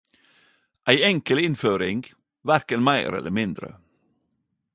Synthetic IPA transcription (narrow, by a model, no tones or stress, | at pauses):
ʔæɪɛŋkəlɪnføːɾɪŋ | ʋæɾkənmæɪɾɛ̰lə̰mɪnd̪ɾə̰